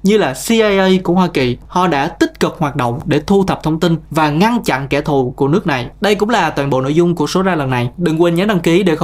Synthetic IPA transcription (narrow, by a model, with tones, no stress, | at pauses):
ɲɨ˧laː˨˩si˧ʔa˧jʔə˧jku˧˩ɦwaː˧ki˨˩hɔ̰˧˨ɗa̰ː˧˥t̪i˦˥t̚kɨ˨˩p̚hwaː˨˩t̚ɗo̰˧˨wŋ͡mɗe˧˩t̪ʰu˧t̪ʰə˨˩p̚t̪ʰwŋ͡mt̪i˧nvaː˨˩ŋa˧nt͡ɕa̰˧˨nkɛ˧˩t̪ʰu˨˩ku˧˩ənɨ˦˥ək̚na˨˩jɗə˧jkʊ̰˧˥ŋ͡mlaː˨˩t̪waː˨˩nɓo̰˧˨no̰˧˨jzʊ˧ŋ͡mku˧˩əso˨˦zaː˧lə˨˩nːa˨˩jɗɨ˨˩ŋkwe˨˩nɲaː˨˦ɗa˧ŋki˨˦ɗe˧˩x